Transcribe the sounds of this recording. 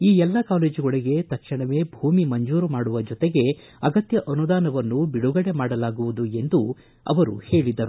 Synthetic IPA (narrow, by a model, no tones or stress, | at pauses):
iːɛlːɐkaːle̞ːd͡ʒuɡoɭiɡe̞t̪ɐkʂiɳɐʋe̞ːbʱuːmimɐɲd͡ʒuːɾumaːɽuʋɐd͡ʒɔt̪eɡe̞ | ɐɡɐt̪jɐʔɐnud̪aːnɐʋɐnːubiɽuɡɐɽe̞maːɽɐlaːɡuʋud̪ue̞nd̪u | ɐ̰ʋɐɾṵhe̞ːɭid̪ːɐɾu